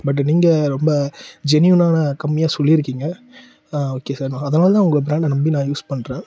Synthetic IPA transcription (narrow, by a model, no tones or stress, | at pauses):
bɐʈ̬ːniːŋɡɐɾɔmbɐd͡ʒɛnjʊnaːnɐkɐmːɪjaːsɔlːiɪɾɯkːiːŋɡɐ | oːkːeːsaːɾmãːɐðɐnaːlɐt̪ãːʊŋɡɐbɪɾaːɳɖnɐmbinãːjuːspɐɳːɾẽː